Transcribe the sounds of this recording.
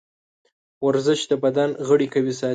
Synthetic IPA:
waɾzɪʃd̪əbad̪anɣəɽikawis̬ɑ

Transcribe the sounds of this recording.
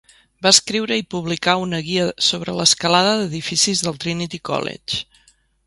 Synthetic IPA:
baəskɾiwɾəipuβlikaunəɣiəsoβɾələskəlaðəðəðifisizðəlˠt̪ɾinit̪ikɔ̰lḛt͡ʃ

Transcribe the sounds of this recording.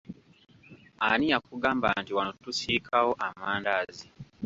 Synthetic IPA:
anijakuɡaːmbantiwanotusiːkʰawoʔamaːndaːzi

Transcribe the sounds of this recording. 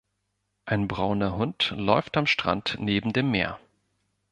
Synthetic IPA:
ʔaɪnbʁaʊnɐhʊntlɔʏftamʃtʁ̥a̰ntneːbm̩deːmːḛːɐ

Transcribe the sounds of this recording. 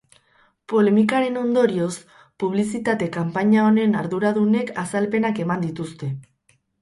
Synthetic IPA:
po̞le̞mikaɾe̞no̞nd̪o̞ɾio̞s | puβ̞lisit̪at̪e̞kampaɲao̞ne̞naɾðuɾaðune̞kasalpe̞nake̞mand̪it̪ust̪e̞

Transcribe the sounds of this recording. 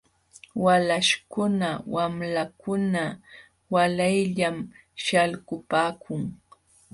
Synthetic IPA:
walaʃkʊnawamlakʊna | walajʎam | ʃalkʊpaːkʰʊŋ

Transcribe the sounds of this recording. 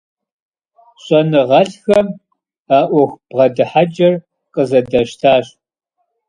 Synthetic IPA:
ɕʼɔnɨʁɐɬxɐm | aːʔʷɔxʷb̥ʁɐdɨħad͡ʒʼɐr | qʼəzɐdɐʃtʰaːɕ

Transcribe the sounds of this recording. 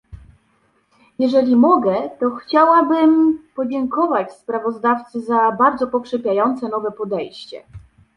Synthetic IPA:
jɛʐɛlʲimɔɡɛt̪ɔxt͡ɕawabɘmpɔd͡ʑɛŋkɔvat͡ɕspɾavɔzd̪aft̪sɘzabaɾd̪zɔpɔkʂɛpʲjajɔnt̪sɛnɔvɛpɔd̪ɛjɕt͡ɕɛ̰

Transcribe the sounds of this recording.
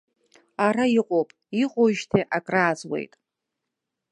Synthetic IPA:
aɾaiqʼowpʼ | iqʼoʒtʰeʔakʼraːzwe̞̰jtʼ

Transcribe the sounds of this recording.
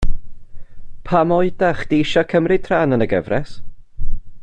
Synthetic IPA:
pʰamɔɨdaχd̥iɪʃɔkʰəmrɪtʰraːnənəɡə̰vrɛs

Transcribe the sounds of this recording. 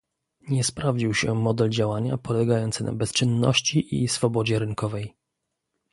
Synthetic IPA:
ɲɛspɾavd͡ʑiwɕɛmɔd̪ɛld͡ʑawaɲa̰pɔlɛɡajɔnt̪sɘna̰bɛst͡ʂɘnːɔ̰ɕt͡ɕiʔḭsfɔbɔd͡ʑɛɾɘŋkɔvɛj

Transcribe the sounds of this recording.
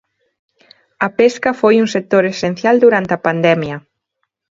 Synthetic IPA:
ɐpeskɐfojuŋsek̚t̪oɾesen̟θjald̪uɾant̪ɐpand̪ɛmjɐ

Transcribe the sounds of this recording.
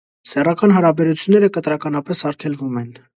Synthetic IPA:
sɛrɑkɑnɦɑɾɑbɛɾut͡sʰjunːɛɾəkət̪ɾɑkɑnɑpɛsɑɾkʰɛlvumɛn

